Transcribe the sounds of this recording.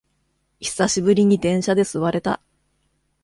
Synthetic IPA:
çi̥saɕibɯ̟ɾʲiɲ̟id̪ẽ̞ɰ̃ɕad̪e̞sɨβaɾe̞t̪a̰

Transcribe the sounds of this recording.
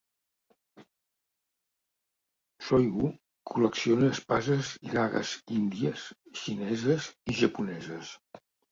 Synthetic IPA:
sɔjɣu | kʰuləksionəːspazəzɣaɣə̰zind̪iəsʃinɛzəziʒəpunɛzəs

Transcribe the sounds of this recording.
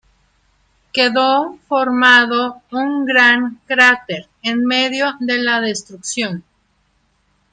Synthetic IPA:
ke̞ðofo̞ɾmaðo̞uŋɡɾaŋkɾat̪eɾ | enme̞ðjo̞ðe̞laðe̞st̪ɾuksjon

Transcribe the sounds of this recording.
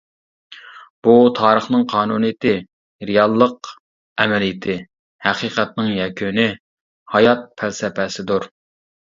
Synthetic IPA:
b̥ut̪ʰɑːɾəχnɨŋqʰɑːnuːnɨjɪt̪ʰɪ | ɾɪjɑlˠːəq | ɛmɛlijɪt̪ʰɪ | hæqiːqæt̪̚nɨŋjɛkʲʰynɪ | hɑjɑt̪̚pʰælsɛpʰɛsɪd̪uɾ

